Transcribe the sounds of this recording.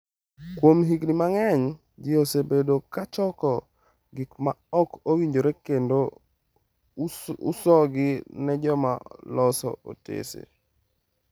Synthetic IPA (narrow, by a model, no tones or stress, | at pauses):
kwomɦiɡnimaŋɛɲ | d͡ʒɪosebedokat͡ʃɔkɔ | ɡɪkmaɔkowiɲd͡ʒoɾekendo | usɔɡɪnɛd͡ʒɔma̰lɔsɔ̰o̰tḛsḛ